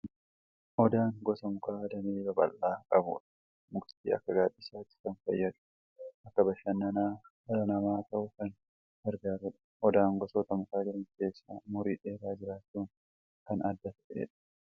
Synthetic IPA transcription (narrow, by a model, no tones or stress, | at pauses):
hɔd̪aːŋɡɔsɐmʊkaːd̪ɐmeːbɐbʼɐ̰lːaːkʼɐbʊ̰ᶑɐ | mʊkt̪iːɐ̰kːɐɡaːd̪ɪsaːt̪ɪ̥kɐnfɐ̰jːɐd̪ʊ̥ | ʔɐkːɐbɐʃɐnːɐnaː | ɐɐnɐmaːt̪ɐʔʊkɐn | hɛɾɡaːɾʊᶑɐ̥ | hɔd̪aːŋɡɔsoːt̪ɐmʊkaːd͡ʒɪɾɐnkeːsːa̰mʊɾiːᶑe̞ːɾaːd͡ʒɪɾaːt͡ʃːuːn | kɐnɐd̪ːɐt̪ɐᶑḛːᶑɐ̥